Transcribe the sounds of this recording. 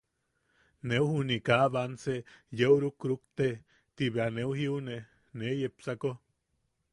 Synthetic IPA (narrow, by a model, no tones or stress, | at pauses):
neuhunikaβansejeuɾukɾukt̪e | t̪iβeaneuhiune | nejepsako